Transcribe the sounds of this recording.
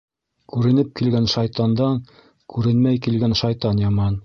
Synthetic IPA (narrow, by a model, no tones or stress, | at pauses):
kʉɾɘ̆nɘp̚kilɡænʃɑjt̪ɑnd̪ɑŋ | kʰʉɾɘ̆nmæjkilɡænʃɑjt̪ɑnjɑmɑn